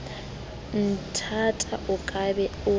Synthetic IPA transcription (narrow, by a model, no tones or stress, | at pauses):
n̩tʰatʼaʔukʼabɛu